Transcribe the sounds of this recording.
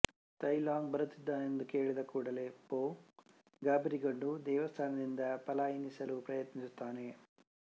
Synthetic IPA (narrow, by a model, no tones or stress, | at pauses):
t̪ɐjlaːŋɡbɐɾut̪ːid̪ːaːend̪uke̞ːɭid̪ɐkuːɽɐle̞ːpoː | ɡaːbɐɾiɡɐɳɖud̪ɛːʋɐst̪ʰaːnɐd̪ind̪ɐpɐlaːjinisɐlupɾɐjɐt̪nisut̪ːaːne̞